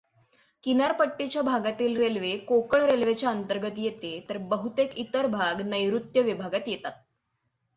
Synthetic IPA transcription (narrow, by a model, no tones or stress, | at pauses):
kinaɾpəʈːit͡ɕjabʱaɡat̪iːlɾelʋekokəɳɾelʋet͡ɕjaənt̪əɾɡət̪jet̪et̪əɾbəɦut̪ekit̪əɾbʱaɡnəjɾut̪jəʋibʱaɡat̪jet̪at̪̚